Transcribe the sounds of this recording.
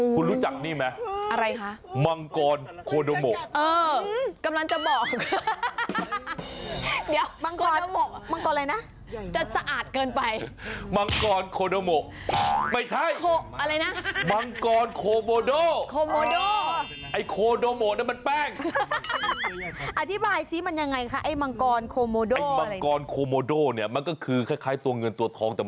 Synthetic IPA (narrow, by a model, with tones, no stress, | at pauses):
u˧nɾuː˦˥t͡ɕa˨˩k̚niː˥˩ma˦˥ʔa˧ɾa˧jkʰa˦˥ʔma˧ŋkɔː˧nkʰoː˧doː˧mo˨˩ʔʔɤː˧ka˧mla˧ŋt͡ɕa˨˩bɔː˨˩kk̚ | diː˨˩˦waː˧ŋkɔː˧˩˧mo˨˩ma˧ŋkɔː˧nla˧jna˦˥ʔ | t͡ɕa˨˩sa˧ʔaː˨˩t̪̚kɤː˧npa˧jma˧ŋkɔː˧nkʰoː˧doː˧mo˨˩ʔ̚ma˥˩jt͡ɕʰa˥˩jkʰoː˧ʔa˧ɾa˧jna˦˥ʔma˧ŋkɔː˧nkʰoː˧moː˧doː˥˩kʰoː˧moː˧doː˥˩ | ʔa˧˩jkʰoː˧doː˧moː˨˩na˥˩ma˧npɛː˥˩ŋ | ʔa˧˩t̪ʰi˦˥baː˧jsʰiː˦˥ma˧nja˧ŋːa˧jkʰa˦˥ʔa˧˥˩jma˧ŋkɔː˧nkʰoː˧moː˧doː˧˩˥ma˧kɔː˧nkʰoː˧moː˧doː˥˩ni˥˩ɐma˧nkɔː˥˩kʰɯː˧kʰa˧˩jkʰaː˧˥˩jt̪u˧ɐŋɤ˧nt̪u˧˩ət̪ʰɔː˧ŋt̪ɛː˨˩